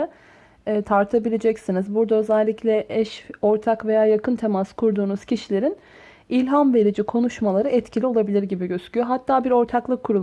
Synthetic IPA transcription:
aː | t̪ʰaɾt̪ʰabilʲe̞d͡ʒɛcsinizbuɾd̪aøzɛlʲːiclʲɛʔɛʃo̞ɾt̪ʰakve̞jaːjakɯnt̪ʰe̞maskʰuɾd̪uːnuz̥cʰiʃilʲe̞ɾin | ilʲɦanbe̞ɾʲid͡ʒikʰo̞nuʃmalˠaɾɯɛt̪cʰilʲio̞lˠabilʲiɾɟibiɟøscʲyjo̞ɦat̪ʰːaːbiɾo̞ɾt̪ʰaklˠɯkʰːuɾulˠ

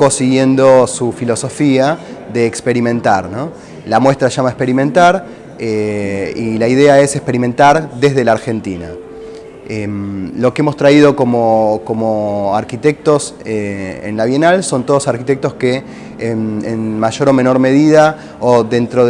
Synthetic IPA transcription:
kosiɣje̞nd̪o̞sufilo̞so̞fiaðe̞ːkspe̞ɾimẽ̞nt̪aɾno | lamwe̞st̪ɾaʃamaespe̞ɾimẽ̞nt̪aɾ | eilaiðeae̞sekspe̞ɾimẽ̞nt̪aɾðe̞zðe̞laɾxe̞nt̪ina̰ | emlo̞keemo̞st̪ɾaið̞o̞ko̞moko̞moaɾkit̪e̞k̚t̪o̞seḛnlaβje̞nalso̞nt̪o̞ð̞osaɾkit̪ek̚t̪o̞ske̞ | menmaʒo̞ɾo̞mẽ̞no̞ɾme̞ð̞ið̞a | oðe̞nt̪ɾoð

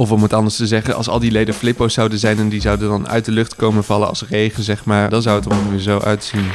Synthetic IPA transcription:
ɔfɔmətɑndəɹstəzɛχənɑ̰lˠsɑ̰lˠdilejdəflɪpowsɑwdəzɛjnɛndizʌwdəndɑnœ̰ɥt̚dəlɵχtkowmənvɑlənɑ̰lˠsrejχənzɛχmaːɹdɑnzʌwətɔmɪzowʔœɥtsin

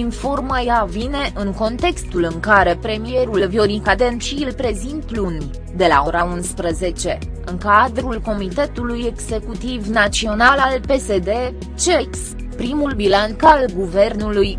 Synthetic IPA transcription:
info̞rməjavine̞ʔɨŋko̞nt̪e̞kst̪ulɨŋkaɾe̞pɾe̞mije̞ɾulvio̞ɾikad̪enpʃiilpɾe̞zint̪̚plun | d̪e̞la̰o̞ɾaunspɾəze̞t͡ʃe̞ | ɨŋkad̪ɾulko̞mit̪e̞t̪uluje̞ɡze̞kut̪ivnat͡ʃsio̞nalalpe̞se̞d̪e̞ | t͡ʃeks | pɾimulbilank̪alɡuve̞rnuluj

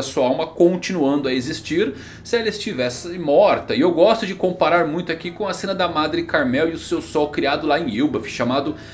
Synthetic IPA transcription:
ɐsuɐawmɐkõt͡ʃĩnuɐ̃nd̪ʊɐezist͡ʃiɾ | sɪɛlɐɪst͡ʃivɛsɪmɔɾt̪ɐɪewɡɔst̪ʊd͡ʒɪkõpaɾaɾmũj̃t̪ʊakikõɐsẽnɐd̪ɐmad̪ɾɪkaɾmɛwiʊsewsɔwkɾiad̪ʊlaẽj̃iwbɐfʃamad̪ʊ

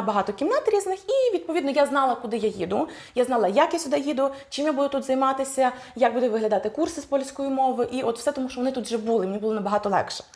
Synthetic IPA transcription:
bɐɦɑt̪ɔkʲimnɑt̪ɾʲiznɪxiʋʲid̪̚pɔʋʲid̪nɔjaznɑlˠɐkʊd̪ɪjajid̪ʊ | jaznɑlˠɐjakjasʲʊd̪ɛjid̪ʊt͡ʃɪmjabud̪ʊt̪ut̪zɐjmɑt̪ɪsʲɐ | jaɡ̚bud̪ɛʋɪɦlʲɐd̪ɑt̪ɪkursɪspɔlʲsʲkɔjimɔʋɪʔiʔɔt̪w̥sɛt̪ɔmuʃt͡ʃɔʋɔnɪt̪ut̪ʒɛbulˠɪmnʲibulˠɔnɐbɐɦɑt̪ɔlˠɛ̰kʃɛ̥

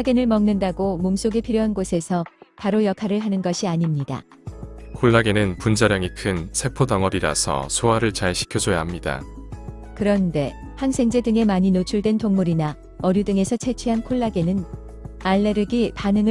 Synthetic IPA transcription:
ɡenɯɭmʌŋnɯndaɡomoms͈oɡepʰiɾjoɦanɡosʰe̞sʰʌpaɾojʌkʰaɾɯɭɦanɯnɡʌɕʰiaɲimɲida̰ | kʰoɭːaɡenɯnpund͡ʑaɾjʌŋikʰɯnsʰe̞pʰotʌŋʌɾiɾa̰sʰʌ̰sʰoaɾɯɭt͡ɕaɭɕʰi̥kʰjʌd͡ʑoja̰ɦamɲida̰ | kɯɾʌnde̞ | hansʰe̞ŋd͡ʑe̞dɯŋe̞maɲinot͡ɕʰuɭdwe̞ntoŋmuɾina | ʌɾjudɯŋe̞sʰʌt͡ɕʰe̞t͡ɕʰeɦankʰoɭːaɡe̞nɯn | aɭːe̞ɾɯɡipanɯŋɯ

